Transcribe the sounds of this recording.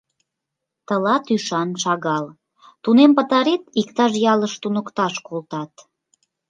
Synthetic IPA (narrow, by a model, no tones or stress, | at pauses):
t̪əlɑt̪yʃɑnʃɑɣɑl | t̪unempə̆t̪ɑɾet̪ikt̪ɑʃjɑləʃt̪unəkt̪ɑʃkolt̪ɑt̪